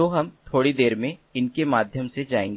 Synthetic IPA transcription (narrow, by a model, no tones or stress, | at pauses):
oːɦɐmt̪ʰoːɽid̪eːɾmẽɪnkemaːd̪ʱjəmsed͡ʒaːẽːŋɡ